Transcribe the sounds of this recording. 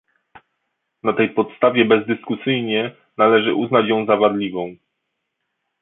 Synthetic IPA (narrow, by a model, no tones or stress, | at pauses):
nat̪ɛjpɔt̪st̪avʲjɛbɛzd̪ɘskusɘjɲɛ | nalɛʐɘ̰ʔuznat͡ɕjɔ̃w̃zavaɾlʲivɔ̃w̃